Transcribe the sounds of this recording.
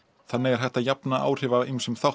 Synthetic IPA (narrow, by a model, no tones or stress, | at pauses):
θanːɪɣɛɾ̥ɦɛjht̪ajapnaʔa̰ːwr̥ɪːvaimsɛmθaw